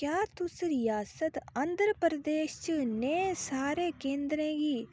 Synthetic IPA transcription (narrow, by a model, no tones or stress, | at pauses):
kjaːt̪ʊsɾɪjaːsət̪ɐ̃nd̪ɾəpɾəd̪eːʃt͡ʃəneẽsaːɾeːkẽːnd̪ɾẽːɡiː